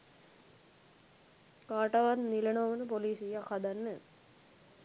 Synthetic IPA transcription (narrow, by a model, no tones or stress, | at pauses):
kaːʈɐʋat̪nilenoʋɐnəpoliːsijakhad̪anːə